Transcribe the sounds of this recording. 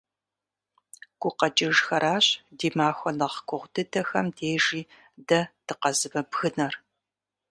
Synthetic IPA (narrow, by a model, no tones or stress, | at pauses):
ɡ̥ʷʊqɐd͡ʒʼɪʒxɐɾʔaːɕdiːmaːxʷɔnɐʁɡʷʼʊʁʷdɨdʰɐxɐmdʰeːʒiː | dɐd̥ɨqɐzɨbɐbɣɨnɐr